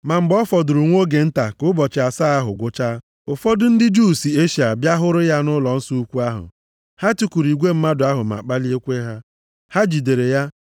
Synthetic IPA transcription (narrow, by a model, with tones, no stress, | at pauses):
ma˨m̩˨ɡ͡bɔ˦fɔ˨dʊ˨ɾʊ˨ŋʷo˦ɡe˨n̩˦ta˨kʊ˦bɔ˨t͡ʃɪ˨a˨sa˦a˦ɦʊ̰˨ɡʷʊ˦t͡ʃa˦ | ʊ˨fɔ˦dʊ˦n̩˦dɪ˦d͡ʒuː˦˨si˨e˦ʃi˨a˨bja˦ɦʊ˦ɾʊ˦ja˦nʊ˦lɔ˨n̩˦su˦u˦kʷu˦a˦ɦʊ̰˨ | ha˦tu˦kʷu˨ɾi˨ɡʷe˦m̩˦ma˦dʊ˨˦a˦ɦʊ˨m˨a̰˨k͡pa˦li˦e˦kʷe˦ɦa˦ | ha˦d͡ʒi˨de˨ɾe˨ja˦